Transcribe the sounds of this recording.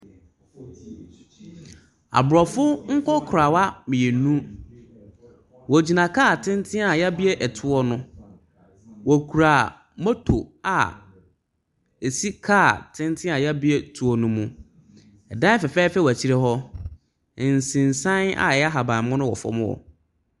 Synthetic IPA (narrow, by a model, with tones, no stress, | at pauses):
a̰˨bɾɔ˨fʊ˦ŋ̩˦kʰɔ˦kʰʊ˨ɾa˨wa˦mɪ̃˨e˨nũ˦ | wɔ˨d͡ʑi˨nã˨kʰaː˦˨tʰɪ̃˦n˦tʰɪ̃˦a˨ja˦bi˦ɛ˦ʔɛ˨tʰʊ˦ɔ˦nʊ̃˦ | wɔ˨kʰu˨ɾa˨ | mɔ̃˦tʰo̰˨a̰˨ | e˨si˦kʰa˦˨tʰɪ̃˦n˦tʰɪ̃˦a˨ja˦bi˦ɛ˦tʰu˨ɔ˦nũ˦mũ˨ | ɛ˨dã˦fɛ˨fɛ˦fɛ˦wæ˨t͡ɕʰi˦ɾɛ˦ɦɔ˦˨ | n̩˨sɪ̃˨n˨sã˦na̰˨a˦ɦa˨bã˨mʊ̃˦nʊ̃˦wɔ̰˨fɔ̰˦mʊ̰̃˦ɔ̰˨